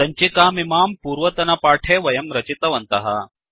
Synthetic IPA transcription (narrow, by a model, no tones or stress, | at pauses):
ɐɲt͡ʃikaːmimaːmpuːɾʋɐt̪ɐnɐpaːʈʰeːʋɐjɐmɾɐt͡ʃit̪ɐʋɐnt̪ɐɦɐ̰